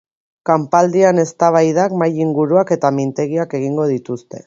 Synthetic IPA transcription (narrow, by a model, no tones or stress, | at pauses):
kampald̪iane̞st̪aβ̞ajðakmajiŋɡuɾuake̞t̪amint̪e̞ɣiake̞ɣ̞iŋɡo̞ð̞it̪ust̪e̞̰